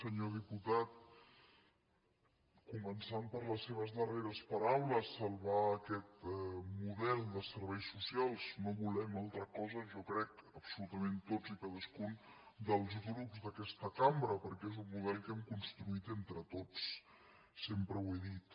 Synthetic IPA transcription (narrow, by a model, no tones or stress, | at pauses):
səɲoðiput̪at̪̚ | kumənsampəɾləsːeβ̞əzðəreɾəspəɾawləsːəlˠβaəkɛt̪muðɛlˠd̪əsəɾβɛjsːusialˠznoβulɛmalˠt̪ɾəkɔzəʒɔkɾɛkəpsulut̪əment̪od͡zikaðəskund̪əlˠzɣɾupzðəkɛst̪əkambɾəpəɾkɛezumːuðɛlˠkɛmkunst̪ɾuit̪ent̪ɾət̪ot͡s | sempɾəweðit̪